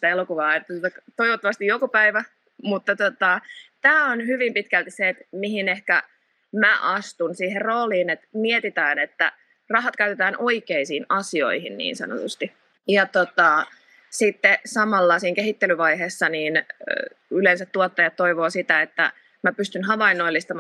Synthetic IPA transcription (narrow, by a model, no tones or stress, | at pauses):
t̪æelokuʋɑːet̪ːæt̪ot̪ɑt̪oiʋot̪ːɑʋɑst̪ijokupæiʋæ | mut̪ːɑt̪ot̪ɑt̪æːonhyʋimpit̪kælt̪isseːt̪mihinehkæ | mæʔɑst̪unsiːɦerroːliːnet̪miet̪it̪æːnet̪ːæ̰ | rɑɦɑt̪kæyt̪et̪æːnʔo̞ikeisiːnɑsio̞̰ihinnḭːnsɑ̰no̰t̪ust̪i | jɑt̪ot̪ɑ | sit̪ːesɑmɑlːɑsiːŋkeɦit̪ːelyʋɑjɦeːsːɑniːn | ylensæt̪tuot̪ːɑjɑt̪tːo̞iʋoːsit̪æet̪ːæ̰ | mæpyst̪ynɦɑʋɑinːoilːist̪ɑm